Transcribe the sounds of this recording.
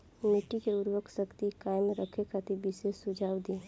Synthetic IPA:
meʈikeʊɾwəksəkt̪ikaːɪmɾəkʰekʰat̪ibɪsesːʊd͡ʒʱaːwd̪i

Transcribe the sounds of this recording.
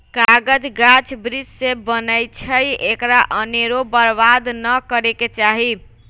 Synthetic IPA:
kaɡəd͡ʒɡat͡ʃʰbɾid͡ʒsebənəjt͡ʃʰəjekɾaʔəneɾobəɾʋad̪nəkəɾeket͡ʃaɦi

